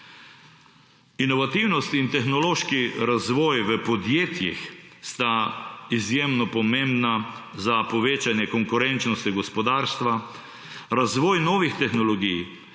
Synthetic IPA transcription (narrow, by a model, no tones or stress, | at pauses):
inɔʋat̪iwnɔst̪int̪ɛxnɔloːʃkiɾazʋɔːjʋəpɔd̪jeːt̪jḭxst̪aizjeːmnɔpɔmẽmbnazapɔʋeːt͡ʃanjɛkɔŋkʊɾɛnt͡ʃnɔst̪iɡɔspɔd̪aːɾst̪ʋa | ɾazʋɔːjnɔːʋixt̪ɛxnɔlɔɡij